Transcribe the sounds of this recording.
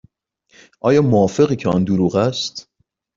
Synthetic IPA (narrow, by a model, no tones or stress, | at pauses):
ʔɒːjɒːmoːfe̞ɣiːcʰeɒ̰nd̪oɾuːɣæst̪